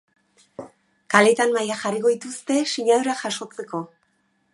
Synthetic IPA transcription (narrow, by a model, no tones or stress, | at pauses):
kale̞t̪anmajaxariko̞ðit̪ust̪e̞siɲaðuɾaʝaʃo̞t͡se̞ko̞